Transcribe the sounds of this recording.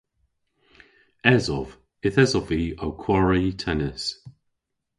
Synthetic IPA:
ɛzɔv̥ | ɪθɛzɔviːawkʰwɔɹitʰɛnəs

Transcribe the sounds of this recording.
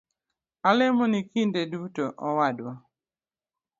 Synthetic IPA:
alɪmɔnikindedutoʔɔwadwa

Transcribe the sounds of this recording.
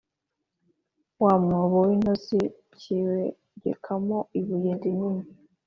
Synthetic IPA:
wamŋoβowinosi | ciwe | ɟḛkʰamoiβujediɲimi

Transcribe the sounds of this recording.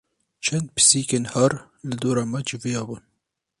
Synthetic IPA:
t͡ʃʰɛnd̪̚pʰɨ̥siːkeːnhɐɾ | lɪd̪oːɾɑːmɛd͡ʒɪvijɑːbuːn

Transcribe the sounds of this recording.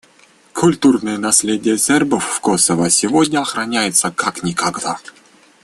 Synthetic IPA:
kʰʊlʲt̪urnɨjənɐsʲlʲedʲɪjəsʲerbəfːkosəvəsʲɪvodʲnʲəɐxɾɐnʲæjɪt̪səkaknʲɪkaɡd̪a

